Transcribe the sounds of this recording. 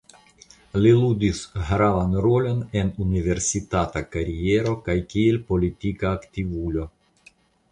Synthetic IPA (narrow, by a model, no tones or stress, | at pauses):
lilud̪isɣɾavanɾolo̞nenunive̞ɾsit̪at̪akaɾieɾo̞kajkielʲpo̞lit̪ikaːkt̪ivulo